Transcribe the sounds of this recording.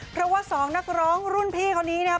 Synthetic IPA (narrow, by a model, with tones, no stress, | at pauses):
pʰɾɔ˦˥waː˥˩sɔː˩˦ŋna˦˥k̚ɾɔː˦˥ŋɾu˥˩npʰiː˥˩kʰaː˥˩wniː˦˥nʰ˥˩˦